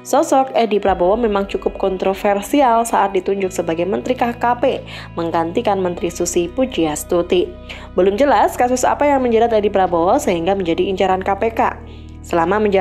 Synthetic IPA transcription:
sɔsɔkedipɾabowɔmemaŋt͡ʃukʊp̚kɔnt̪ɾofɛrsialsaʔːt̪̚dit̪uɲd͡ʒʊksəbaɡajmənt̪ɾikahkape | məŋɡant̪ikanmənt̪ɾisusipud͡ʒiast̪ut̪i | bəlʊmd͡ʒəlaskasʊsa̰pajaŋməɲd͡ʒadat̪edipɾabowɔsəɦiŋɡaməɲd͡ʒadiːɲt͡ʃaɾankapeka̰ | səlamaməɲd͡ʒ

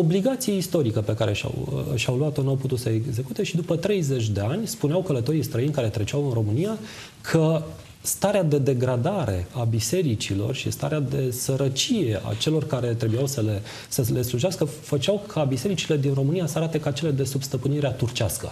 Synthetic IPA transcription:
obliɡat̪sieist̪o̞ɾikəpe̞kaɾe̞ʃa̰wə̰ʃawluat̪onawput̪ut̪səeɡze̞kut̪e̞ʃid̪upət̪ɾe̞jze̞t͡ʃʲd̪e̞anʲspuneawkələt̪o̞ɾijst̪ɾəinʲkaɾe̞t̪ɾe̞t͡ʃawɨnro̞mɨnija | kʰə | st̪aɾead̪e̞d̪e̞ɡɾad̪aɾe̞̰abise̞ɾit͡ʃilo̞̰rʃḭst̪a̰ɾead̪e̞səɾət͡ʃije̞ʔa̰t͡ʃe̞lo̞rkaɾe̞t̪ɾe̞bujawsəle | səle̞sluʒaskəfət͡ʃawkʰabise̞ɾit͡ʃile̞d̪inro̞mɨnijasəaɾat̪e̞kat͡ʃe̞led̪e̞subst̪əpɨniɾeat̪urt͡ʃaskə̰

